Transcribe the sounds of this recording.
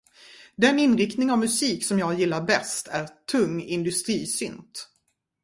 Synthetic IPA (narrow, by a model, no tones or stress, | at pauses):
d̪ɛnɪnɾɪkt̪nɪŋavmɵsiːksɔmjɑːɡjɪlːaɾbɛst̪ʰæɾt̪ʰɵŋːɪnd̪ɵst̪ɾiːsʏnt̪